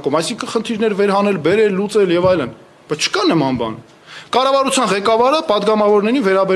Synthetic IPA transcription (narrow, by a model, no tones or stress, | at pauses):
kumɑjsiŋkʰənχənt̪ʰiɾnɛɾvɛɾɦɑnɛlbɛɾɛlːut͡sɛljɛvɑjlən | b̥ɑjt͡sʰt͡ʃʰə̥kɑnəmɑnbɑ̰n | kɑrɑvɑɾut͡sʰjɑnʁɛkɑvɑɾəpɑd̪ɡɑmɑvɔɾnɛɾinvɛɾɑbɛ